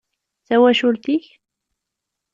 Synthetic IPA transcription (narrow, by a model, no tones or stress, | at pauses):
θæwæʃult̪iç